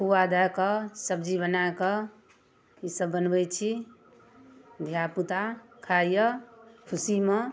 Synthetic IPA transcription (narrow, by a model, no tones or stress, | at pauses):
puwad̪akʌsəbd͡ʒiβənaekʌ | isəbːənbət͡ʃʰi | d̪ʱjaput̪akʰajjəkʰusimə